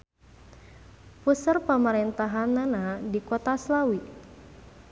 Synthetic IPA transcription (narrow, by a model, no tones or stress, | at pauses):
pusərpəməɾɛnt̪aɦanːanadikɔt̪aslawi